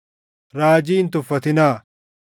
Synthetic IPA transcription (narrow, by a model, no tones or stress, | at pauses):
ɾaːd͡ʒiːnt̪ʊfːɐt̪ɪnaː